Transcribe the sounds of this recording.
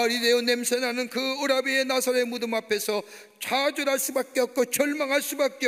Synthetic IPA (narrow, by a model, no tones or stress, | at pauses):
aɾide̞jonemsʰenanɯnkɯɯɾabeenasʰʌɾe̞mudɯmapʰe̞sʰʌ | t͡ɕad͡ʑoɾaɭs͈ubak͈ejʌk̚k͈ot͡ɕʌɭmaŋɦaɭs͈ubak͈̚e